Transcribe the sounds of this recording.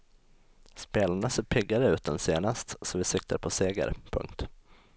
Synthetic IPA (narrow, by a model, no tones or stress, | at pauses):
speːlaɳaseːɾpʰɪɡaɾəʉ̟ːt̪̚d̪ɛnseːnast̪sɔvɪsɪk̚t̪ʰaɾpʰɔseːɡə̰ɾpʰɵ̰ŋkt̪